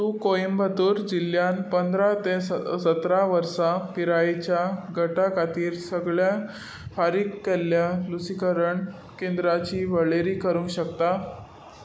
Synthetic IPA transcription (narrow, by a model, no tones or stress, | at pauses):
t̪uːkoimbʱət̪uːɾd͡ʑilːjanpənd̪ʱɾat̪esət̪ɾaʋəɾsapiɾait͡ɕjaɡʱəʈakat̪iːɾsəɡɭja | faɾiːkːeljalusikəɾəɳ | kend̪ɾat͡ɕiːʋəɭeɾiːkəɾũŋɕəkt̪a